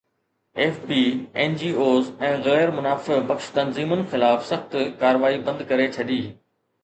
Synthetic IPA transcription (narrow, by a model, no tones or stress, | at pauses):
eːfpiːɛːnd͡ʑiːoːzɛ̃ːɣɛːɾmʊnaːfɪbɐkʃt̪ɐnziːmʊnɪ̆xɪlaːfsɐxt̪kaːɾʋaːibɐ̃nd̪kɐɾet͡ɕʰɐɗiː